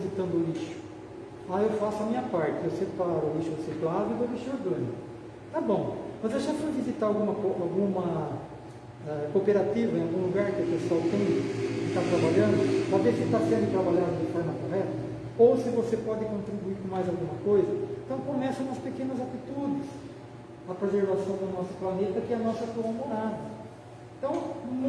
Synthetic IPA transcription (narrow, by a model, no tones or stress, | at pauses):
izit̪ɐ̃nd̪ʊʊliʃʊ̥ | aewfasʊɐmĩɲɐpaɾt͡ʃɪewsepaɾʊʊliʃʊdɪseplad̪ʊɪvoviʃoɾɡɐ̃ɲʊ | t̪abõw̃mɐzewʒãsõvizit̪aɾawɡũmɐkoawɡũmɐ | ɛkopeɾat̪ivɐẽawɡũluɡaɾkɪʊpesowt̪ẽj̃ɪt̪at̪ɾabaʎɐ̃nd̪ʊpavesɪt̪asɛ̃d̪ɪ̃t̪ɾabaʎaɾɪt̪ajnɐpanɛt̪ɐ | owsɪvosepɔd̪ɪkõnt̪ɾibuiɾkõmajzawɡũmɐkojzɐẽt̪ɐ̃w̃kõmɛsɐ̃ɐspekẽnɐzat̪it̪ud͡ʒɪs | ɐpɾezeɾvasɐ̃w̃d̪ʊnɔsʊ̥planet̪ɐkɪɐnɔsɐt̪õw̃amoɾad̪ɐ | ẽnt̪ɐ̃w̃